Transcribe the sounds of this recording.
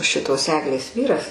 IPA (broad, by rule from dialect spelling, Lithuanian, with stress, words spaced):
ˈʃʲɪtoːs ˈæːɡlʲeːs ˈʋʲiːrɐs